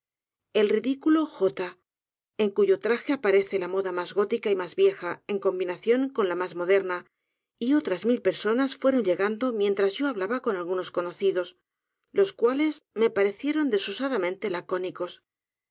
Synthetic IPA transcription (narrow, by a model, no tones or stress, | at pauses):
e̞lriðikulo̞xo̞t̪a | e̞ŋkuʝo̞t̪ɾaxe̞apaɾe̞θe̞lamo̞ðamazɣo̞t̪ikaimazβje̞xae̞ŋko̞mbinaθjo̞ŋko̞nlamazmo̞ðe̞ɾna | io̞t̪ɾazmilpe̞ɾso̞nasfwe̞ɾo̞ɲʎe̞ɣand̪o̞mjẽ̞nt̪ɾazʝo̞aβlaβako̞nalɣuno̞sko̞no̞θiðo̞s | lo̞skwale̞zme̞paɾe̞θje̞ɾo̞nd̪e̞susaðamẽnt̪e̞lako̞niko̞s